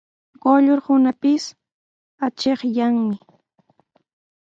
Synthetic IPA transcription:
ɢoʎoɾhʊnapɪs | at͡ʃeχjaŋmɪ

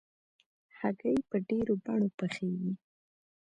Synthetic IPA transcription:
haɡəjpəɖeɾobaɳopəxewi

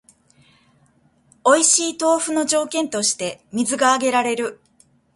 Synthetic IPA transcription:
o̞iɕiːt̪o̞ːɸɯ̟no̞d͡ʑo̞ːkẽ̞nt̪o̞ɕi̥t̪e̞mʲizɨɡaːɡe̞ɾaɾe̞ɾɯ̟

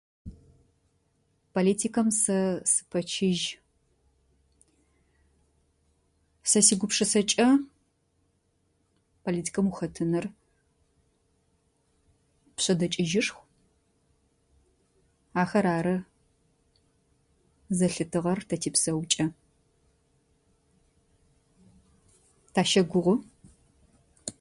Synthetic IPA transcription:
pʰoliːtʰiːkʰɐmsɐsɨ̥pʰɐt͡ʃʰɪʒ | sɐsiːɡʷʊpʂɐsɐt͡ʃʼɐ | pʰoliːtʰi̥kʰɐmuxɐtʰɨnɨr | pɕʼɐdɐt͡ʃʼɪʒɪʂxʷ | aːxɐɾaːɾɐ | zɐɬɨtʰɨʁɐrtʰɐtʰiːpsɐwt͡ʃʼɐ | tʰaːʃɐɡʷʊʁʷʊ

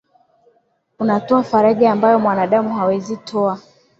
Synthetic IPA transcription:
unatɔafaɾaʄaːmbajɔmwanaɗamuɦawɛzitʰɔa

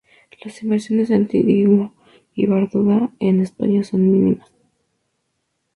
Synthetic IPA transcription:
lasimbeɾsjo̞nesent̪ḭɾimo | iβaɾðuðaenespa̰ɲaso̞nmĩnḭmas

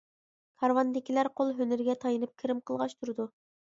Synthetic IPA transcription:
kʰɑɾwɑnd̪ɪkʲilæɾqʰolˠɦønɪɾɡʲɛt̪ʰɑjɨnɨp̚kʲʰiɾɪmqʰəlˠʁɑʃt̪ʰuɾɨd̪u

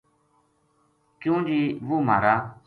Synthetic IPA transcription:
kjũːd͡ʒiːʋuːma̰ːɾaː

